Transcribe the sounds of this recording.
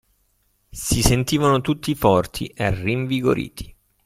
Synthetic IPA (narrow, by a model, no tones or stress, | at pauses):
sisent̪iːvanot̪ut̪ːifɔrt̪ʰḭʔeriɱviɡo̰ɾḭːt̪ʰi̥